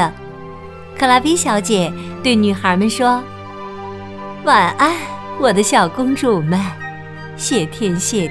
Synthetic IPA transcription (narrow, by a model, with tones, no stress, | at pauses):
ə˧ | kʰɤ˥˨˩la˧˥pi˧˥ɕjɑ˧˥ʊt͡ɕjɛ˨˩t̪we˥˩ɪny˨˩xə˞˧˥mə˧nʂwɔ˥ | wa˨˩nʔa˥˩ɪwɔ˨˩d̪ə˦ɕjɑ˨˩ʊkʊ˥ŋʈ͡ʂu˥˨˩mə˧ | ɕjɛ˥˩t̪ʰjɛ˥nɕjɛ˥˩